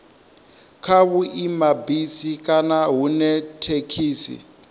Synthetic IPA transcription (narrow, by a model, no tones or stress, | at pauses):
kʰaβuimabisikʼanaɦunɛtʰekʰiːsḭ